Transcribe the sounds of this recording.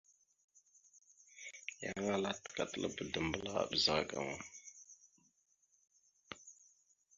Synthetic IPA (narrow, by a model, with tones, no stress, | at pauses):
ja˨˦ŋa˦la˦tka˨tə˦˨lə̰˦bə˨də˨mbə˦la˦a̰˨ɓə˨za˨ɡa̰˨ŋa˨